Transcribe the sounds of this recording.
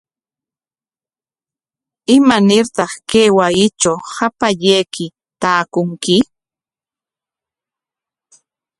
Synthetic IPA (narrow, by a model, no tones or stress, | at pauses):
ɪmanɪɾt̪ɑχkeːwajɪt͡ʃawhapaʎejkɪ | t̪aːkʊŋkɪ